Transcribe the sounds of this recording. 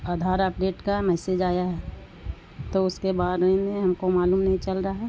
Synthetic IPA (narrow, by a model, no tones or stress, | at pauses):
aːd̪ʱaːɾəpɖeːʈkamɛːsed͡ʒaːjaɦɛ | t̪oʊskebaːd̪ẽnẽɦɐmkomaːluːmnɐɦĩt͡ʃɐlɾaɦɛ